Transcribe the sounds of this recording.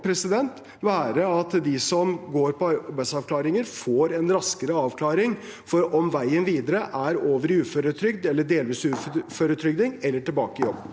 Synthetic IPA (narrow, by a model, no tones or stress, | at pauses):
pʰɾɛsɪd̪ɛnt̪ | ʋæːɾəɑt̪d̪ɪsɔmɡoːɾpɔɑbæɪsɑʋkʰlɑːɾɪŋəɾfoːɾɛnɾɑskəɾəɑːʋkʰlɑːɾɪŋ | fɔɾɔmʋæɪənʋiːd̪əɾəʔæɾoːʋəɾʉːføɾət̪ʰɾʏɡd̪ɛlːəɖeːlʋiːsʉːfføɾət̪ʰɾʏɡ̚d̪ɪŋɛlːəʈɪlbɑːkəɪjɔbː